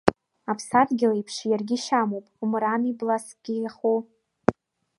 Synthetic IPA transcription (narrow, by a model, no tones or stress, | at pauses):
apʰsadɡʲɪlaipʰʂjarɡʲɪʃamowpʼumɾaniblask̚ʼɡ̥ʲiχu